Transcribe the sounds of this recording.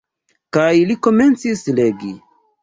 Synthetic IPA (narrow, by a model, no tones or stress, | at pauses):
kajliko̞me̞nt͡sisle̞ɡi